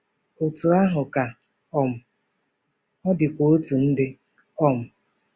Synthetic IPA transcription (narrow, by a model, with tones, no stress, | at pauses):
o˨tu˨a˦ɦʊ˨ka˨ | ɔ˨m̩˨ | ɔ˦dɪ˨kʷo˨o˦tu˨n̩˦dɪ˦ | ɔ˦m̩˨